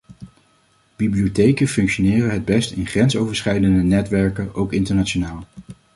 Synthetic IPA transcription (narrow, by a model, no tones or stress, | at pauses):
b̥ibliotejkənfɵŋkʃonɪːrəɦəd̚bɛstɪnχrɛnsowvəɹsχɛjdəndənɛtʋɛɹkənʔowkɪntəɹnat͡ʃonaːlˠ